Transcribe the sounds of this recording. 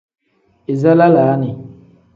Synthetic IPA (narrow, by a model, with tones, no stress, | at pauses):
ɪ˨za˦la˦laː˨˦nɪ˨